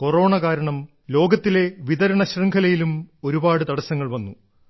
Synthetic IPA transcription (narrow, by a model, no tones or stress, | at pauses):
ko̞ro̞ːɳɐkaːɾɐɳɐm | lo̞ːɡɐt̪ːile̞ʋiðɐɾɐɳɐɕrɐŋɡʰʱɐlɐjilumo̞ɾubaːɽɨt̪ɐɽɐsɐŋːɐɭʋɐnːu